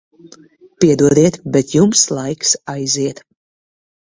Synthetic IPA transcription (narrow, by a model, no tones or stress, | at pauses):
pʲiɛd̪uɔd̪iɛt̪bɛt̪jumslˠajksajziɛt̪